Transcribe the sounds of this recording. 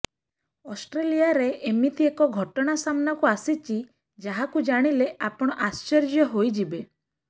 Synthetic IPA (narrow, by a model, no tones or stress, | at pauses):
ɔsʈɾelijaɾeʔːmit̪ʰiekɔɡʱɔʈɔɽ̃asamnakuasit͡ʃi | d͡ʒaɦakud͡ʒaɽ̃ileapɔɽ̃ɔʔast͡ʃɔɾd͡ʒjɔɦojd͡ʒibe